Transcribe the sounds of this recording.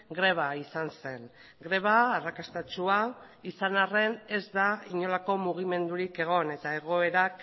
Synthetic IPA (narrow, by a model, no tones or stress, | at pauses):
ɡɾe̞β̞aisanse̞n | ɡɾe̞β̞aːrakast̪at͡ʃua | isanare̞ne̞zd̪aiɲo̞lako̞muɣ̞ime̞nd̪uɾike̞ɣ̞o̞ne̞t̪ae̞ɣ̞o̞e̞ɾak